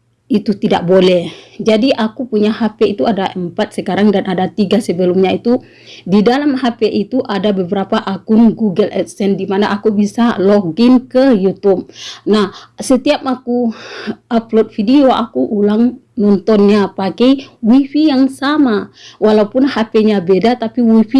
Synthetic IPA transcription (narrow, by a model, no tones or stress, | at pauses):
it̪ut̪ida̰ʔ̚bolɛhd͡ʒadiʔakupuɲahapɛit̪uadaʔəmpat̪̚səkaɾaŋdanʔadat̪iɡasəbəlumɲait̪u | didalamɦapɛʔit̪uʔadabəbəɾapaʔakʊnɡuɡəlɛ̰t̪sɛndimanaʔakubisalɔɡɪnkəjut̪up̚nahsət̪iap̚maku | ʔaplot̪̚fidioʔakuʔulaŋ | nɔnt̪ɔnɲapakɛjwifijaŋsamawalaupʊnhapɛɲabedat̪apiwifi